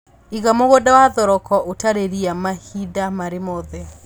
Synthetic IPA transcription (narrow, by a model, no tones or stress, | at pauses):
iɣamoɣɔdawaðɔɾɔkɔʔotaɾeɾiamahidamaɾemɔðɛ